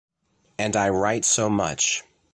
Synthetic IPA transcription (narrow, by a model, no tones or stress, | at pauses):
ɨ̃ndaɪɹaɪtsoʊmʌ̰t͡ʃ